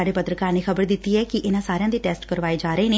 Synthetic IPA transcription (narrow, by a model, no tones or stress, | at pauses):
aːɖeːpət̪ɾəkaːneːxʰəbəɾd̪ɪt̪ːiːɛːkɪʔɪnãːsaːɾejãːd̪eːʈɛːsʈkəɾʋaːeːd͡ʒaːɾəeːneː